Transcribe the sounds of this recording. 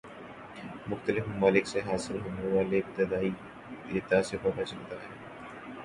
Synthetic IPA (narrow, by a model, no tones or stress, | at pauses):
mʊxt̪əlɪfmʊmaːlɪkseɦaːsɪlɦʊmɾʋaːlebɪd̪əd̪aːi | ɾɪt̪aːsɪfomat͡ʃɐlt̪aɦɛː